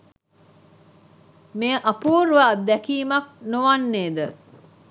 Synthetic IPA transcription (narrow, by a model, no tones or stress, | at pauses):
meəʔɐpuːɾʋaːd̪ækiːmɐk̚noʋanːeːd̪ə